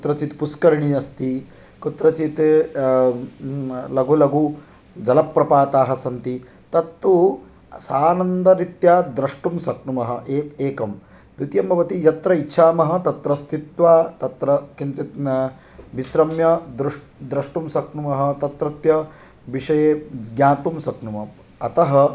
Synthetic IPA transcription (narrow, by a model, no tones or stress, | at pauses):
kut̪ɾɐt͡ʃit̪puskɐɾɳiɐst̪i | kut̪ɾɐt͡ʃit̪ | lɐɡulɐɡu | d͡ʒɐlɐpːɾɐpaːt̪aːɦɐ̆sɐnt̪i | t̪ɐt̪ːu | saːnɐnd̪ɐɾit̪jaːd̪ɾɐʂʈumsɐkɳumɐɦɐʔeeːkɐm | d̪ut̪jɐmbʱɐʋɐt̪ijɐt̪ɾɐitːʃʰaːmɐɦɐ̆t̪ɐt̪ɾɐst̪ʰit̪ʋaːt̪ɐt̪ɾɐkint͡sit̪ | ʋiʃɾɐmjɐd̪ɾuʂ | d̪ɾɐʂʈumsɐkɳumɐɦɐ̆t̪ɐt̪ɾɐt̪jɐ | ʋiʂɐjeːɡjaːt̪umsɐkɳumɐ | ɐt̪ɐɦɐ̆